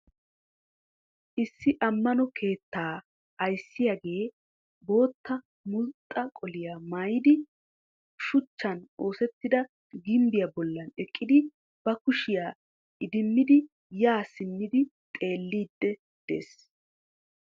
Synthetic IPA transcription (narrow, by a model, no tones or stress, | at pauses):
ʔɪsːɪʔɐmːɐnɔkʰe̞ːt̪ːaː | ɐjsːɪjaɡe̞ː | bo̞ːt̪ːɐ | mʊlt̪ʼːɐkʼɔlɪjamajɪd̪ɪ | ʃʊt͡ʃːɐnʔo̞ːsɛt̪ːɪd̪ɐ | ɡɪmbɪjabɔlːɐnɛkʼːɪd̪ɪ | b̥ɐkʊʃɪjaː | ʔɪd̪ɪmːɪd̪ɪ | jaːsɪnːɪd̪ɪ | t̪ʼe̞ːlːiːd̪ːɛ | d̪̥e̞̰ːs